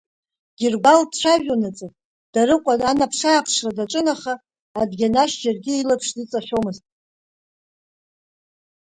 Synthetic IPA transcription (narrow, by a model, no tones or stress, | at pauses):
ɡ̥ʲirɡʷaldʈ͡ʂʷʰaʒᶣonat͡sʼɨ | d̥aɾɨqʷʼadanapʰʂaːpʰʂradaʈ͡ʂʼɨnaχaː | dɡʲanaʃd͡ʒarɡʲɪilapʰʂdit͡sʼaħʲomɨztʼ